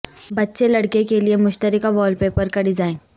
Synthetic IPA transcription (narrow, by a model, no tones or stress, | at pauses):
bɐtːʃelɐɽkekeliemʊʃt̪əɾɪkaʋɔːlpeːpɐɾkɐɖɪzaːẽn